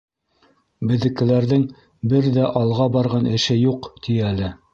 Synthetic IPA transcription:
bɘ̆ðɘ̆kɘ̆læɾðɘŋ | bɘɾðæʔɑlˠʁɑbɑɾʁɑnɘ̆ʃɘjuqt̪ʰiælɘ

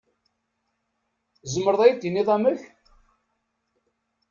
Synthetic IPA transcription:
zəmːəɾðˤæjd̪jinːiðˤæməç

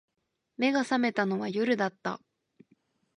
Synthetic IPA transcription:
me̞ɡasame̞t̪anoβajoɾɯ̟d̪at̪ːa̰

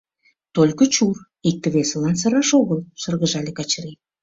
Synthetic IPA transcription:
t̪olʲkə̆t͡ɕur | ik̚t̪ə̆βesəlɑnsəɾɑʃoɣəlʃə̆rɣəʒɑlʲekɑt͡ɕəɾi

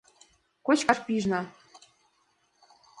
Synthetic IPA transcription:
kot͡ɕkɑrpiʒnɑ

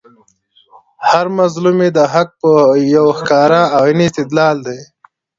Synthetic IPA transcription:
haɾmazlumed̪əɦak̚pəjawxkɑːɾaawiniːst̪ɪd̪lɑːld̪e

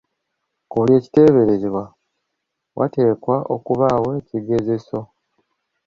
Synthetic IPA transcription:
kolje̞ːci̥te̞ːβe̞ɾeziβwa | wʔa̰te̞ːkwaʔo̞kuβaːwoeciɡe̞ze̞so̞

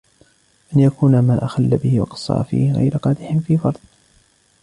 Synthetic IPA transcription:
ʔanjakuːnamaːʔaxalːabɪhɪwɑ̰qɑ̥sˤɑ̰ːfḭːhɪɣa̰jɾqɑːd̪ɪħɪnfiːfɑɾˤd̪̥̚ˤ

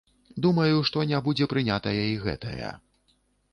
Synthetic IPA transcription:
d̪umɐjuʂt̪ɔnʲabud͡zʲɛpɾɨnʲat̪ɐjɐiɣɛ̰t̪ɐ̰jɐ̰

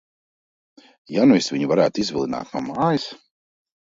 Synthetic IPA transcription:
januisviɲuvaɾæːt̪izvʲilˠina̰ːt̪namaːjis

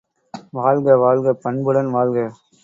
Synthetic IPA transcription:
ʋaːɭɡɐʋaːɭɡɐpɐɳbɯɽɐnʋaːlɣɐ

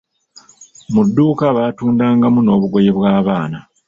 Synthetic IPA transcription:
mudːuːkaβatuːndaːŋɡamuno̞ːβuɡo̞jeβwaːβaːna

